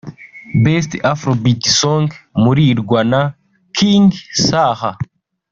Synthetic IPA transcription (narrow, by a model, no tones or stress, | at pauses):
bes̬tafɾobitisoŋɡmuɾiːɾɡwana | kʰiŋɡsaːha